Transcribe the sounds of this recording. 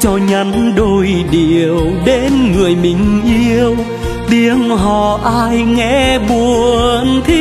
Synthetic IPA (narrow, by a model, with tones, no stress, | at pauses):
t͡ɕɔ˧ɲə˧˥nɗo˧jɗi˨˩əwɗe˧˦nŋɨ˨˩əjmï˨˩ŋ̟ʔi˧əw | t̪i˧˥əŋɦɔ̰˧˩˨ʔaː˧jŋɛ˧˥ɓu˨˩əəənt̪ʰi˧˦